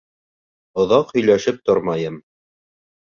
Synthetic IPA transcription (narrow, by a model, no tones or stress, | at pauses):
ŏðɑqhɵ̆jlæʃɘp̚t̪oɾmɑjɤm